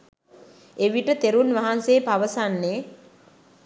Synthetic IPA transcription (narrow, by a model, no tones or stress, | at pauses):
eʋiʈət̪eɾunʋaɦanseːpaʋəsanːe